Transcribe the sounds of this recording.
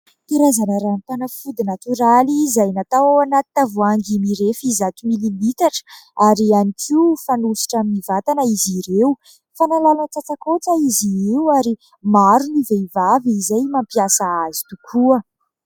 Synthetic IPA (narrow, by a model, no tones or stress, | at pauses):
p̪iɾazanəɾanit̪anəfud̪inat̪yɾalizajnat̪awanat̪i̥t̪avuaŋɡimiɾefizat̪imililit̪aʈ͡ʂə̥aɾianikʰiufanusi̥ʈ͡ʂaminivat̪anəiziɾeu | fanalalanət͡sat͡sakot͡səiziewaɾi | maɾuniveivaviizajmampiasaazi̥t̪ukʰuə